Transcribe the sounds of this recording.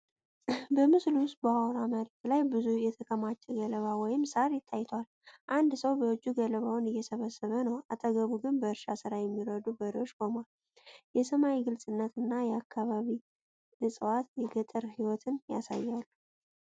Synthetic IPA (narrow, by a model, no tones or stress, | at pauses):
bəmɨsluwʊst̪̚bəawɾaməɾiklajbɨzujɛt̪ʰəkʰəmat͡ʃʼːɛɡələβawɔjɪmsaɾjɪt̪ʰːajt̪ʰwal | ʔand̪səwbəwɔd͡ʒːuɡələβawnɨjːɛsəβəsəβənəwat̪ʼəɡəβuɡɨnbəɨɾʃasɨɾajɛmːiɾəd̪ubəɾiwo̞t͡ʃːkʰomal | jɛsəmawiɡɨlsʼɨnːət̪ɨnːajɛakʰːaβaβi | lɨsʼɨwat̪jɛɡət̪ʼɨɾhiwɔt̪ʰɨnja̰sa̰jːalːu